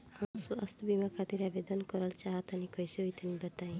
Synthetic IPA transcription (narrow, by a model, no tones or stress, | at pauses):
asuɐst̪ɔbimakʰat̪iɾabed̪ɔnkɔɾalt͡ʃaɦat̪anikɔjsiujt̪ʰanibat̪aj̃